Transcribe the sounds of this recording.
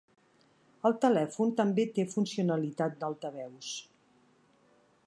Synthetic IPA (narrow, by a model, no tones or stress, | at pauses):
əlˠt̪əlɛfunt̪əmbet̪efunsiunəlit̪at̪̚d̪alˠt̪əβɛws